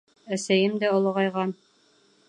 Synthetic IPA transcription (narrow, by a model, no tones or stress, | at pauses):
æsæjɘmd̪æŏlˠɤʁɑjʁɑn